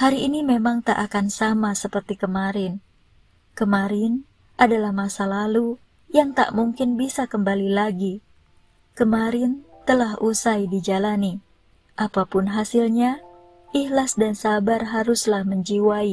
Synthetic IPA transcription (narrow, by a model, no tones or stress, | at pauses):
haɾiːnimemaŋt̪aʔakansamasəpərt̪ikəmaɾɪn | kəmaɾɪn | ʔadalahmasalalu | jaŋt̪a̰ʔmuŋkɪnbisakəmbalilaɡi | kəmaɾɪnt̪əlaɦʔusajdid͡ʒalani | ʔapapʊnɦasɪlɲa | ʔihlasdansabarɦaɾʊslahməɲd͡ʒiwai